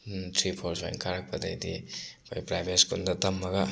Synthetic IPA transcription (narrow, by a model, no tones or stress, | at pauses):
tʰɾipʰoɾsajnkʰaɾɐk̚pɐdɐjdḭkʰojpɾajbeskundɐtɐmːɐɡɐ